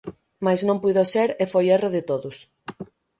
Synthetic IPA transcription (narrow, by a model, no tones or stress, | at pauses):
maznõmpuðoseɾefojeroðɪt̪oðʊs